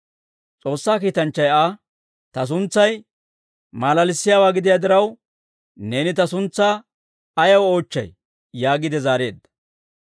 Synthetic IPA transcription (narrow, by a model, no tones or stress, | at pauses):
t͡sʼo̞ːsːaːkiːt̪ɐnt͡ʃːɐjaː | t̪ɐs̬ʊnt͡sːɐj | maːlɐlɪsːɪjaːwaːɡɪd̪ɪjaːd̪ɪɾɐw | ne̞ːnɪt̪ɐsʊnt͡sːaː | ɐjɐwo̞ːt͡ʃːɐ̰j | jaːɡɪd̪ɛzaːɾe̞ːd̪ːɐ̥